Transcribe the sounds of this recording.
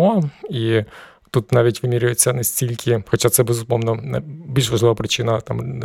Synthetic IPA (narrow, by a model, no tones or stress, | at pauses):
ɔi | t̪ut̪nɑʋʲitʲʋɪmʲiɾʲʊjet͡sʲːɐnɛsʲtʲilʲkʲʰɪxɔt͡ʃat̪sɛbezʊpɔmnɔnbʲilʲʃʋɐʒlˠɪʋɐpɾɪt͡ʃɪnɐt̪a̰m